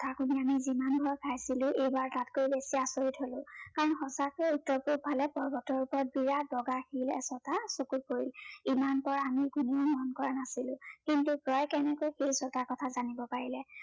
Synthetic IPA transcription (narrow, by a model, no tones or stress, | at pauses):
tʰakuniamizimanbʱɔɹkʰajsilʊ̃ʔejbaɹtatkojbesiasoɹitɦolʊ̃kaɹɔnxɔsakɛutːɔɹpupʰalɛpɔɹbɔtɔɹupɔɹɔt̚biɹat̚bɔɡaxilɛ̰sɔtasokut̚poɹilimanpɔɹaamiɡuniɔmɔnkɔɹanasilʊ̃kintuɡɹɔjkɛnɛkojxisɔtakɔtʰazanibɔpaɹilɛ